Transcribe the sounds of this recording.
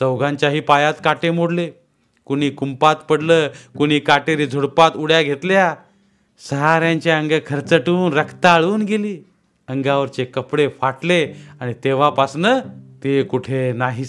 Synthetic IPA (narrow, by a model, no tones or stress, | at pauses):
t͡səwɡãɲt͡ɕjaɦiːpajat̪kaʈemoɽle | kuɽ̃iːkumpat̪pəɽləːkuɽ̃iːkaʈeɾiːd͡zʱuɽpat̪uɽjaɡʱet̪lja | səɦaɾjãɲt͡ɕjaəŋɡekʰəɾt͡səʈuːnɾəkʰt̪aːɭuːnɡeliː | əŋɡaʋəɾt͡ɕekəpɽefaʈleaɽ̃it̪eʋapasnət̪ekuʈʰenaɦi